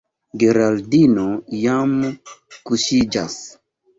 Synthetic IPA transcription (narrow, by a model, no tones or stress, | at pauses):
ɡeɾaldinojamkuʃid͡ʒa̰s